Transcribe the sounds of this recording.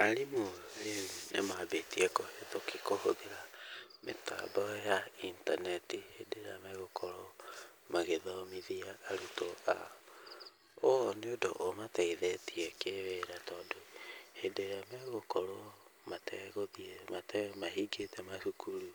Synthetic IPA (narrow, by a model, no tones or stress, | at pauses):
aɾimoɾenenḛmabetiɛkohetokikohoðeɾamḛta̰bɔjaintanɛtihedeɾa̰maɣokʰɔɾɔ | maɣeðaomiðiaːɾutoa̰ | oneodoʔomataiðɛtʰiɛkeweɾatɔːdohedeɾamɛɣokɔɾɔmatɛɣoðiɛmatɛmahiɡetɛmaʃukuɾu